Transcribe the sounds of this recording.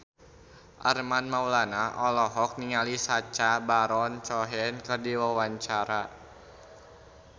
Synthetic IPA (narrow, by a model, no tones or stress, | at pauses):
ʔa̰rmanmaulanaʔɔlɔɦɔk̚niŋalisat͡ʃabaɾɔnt͡ʃɔɦɛnkərdiwawaɲt͡ʃaɾa